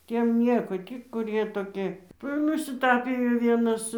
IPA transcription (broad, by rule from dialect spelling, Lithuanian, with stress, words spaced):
ˈtʲiɛm ˈnʲiɛkoː ˈtʲiː kʊˈrʲiɛ toːˈkʲɪ ˈʋɐ ɪr nʊsʲɪˈtɑːpʲɪjoː ˈʋʲiɛnɐs